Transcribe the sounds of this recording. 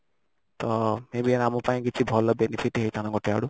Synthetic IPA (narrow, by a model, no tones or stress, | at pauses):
t̪ʌmebiɾamupaĩɡitʰibʱɔlɔbenipʰiʈɦejt̪ʰanãɡɔʈeaɽu